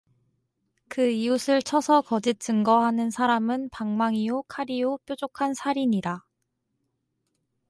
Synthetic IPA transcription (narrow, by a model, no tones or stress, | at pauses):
kɯiusʰɯɭt͡ɕʰʌsʰʌkʌd͡ʑit̚t͡ɕ͈ɯŋɡʌɦanɯnsʰaɾamɯnpaŋmaŋiokʰaɾiop͈jod͡ʑokʰansʰaɾiɲida